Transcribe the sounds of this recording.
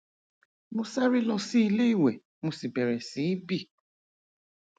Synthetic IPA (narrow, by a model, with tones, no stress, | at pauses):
mõ˧sa˦ɾi˦lɔ˧si˦i˧le˦i˦˨wɛ˨ | mo˧si˨bɛ˨ɾɛ˨sĩ˨˦bi˦˨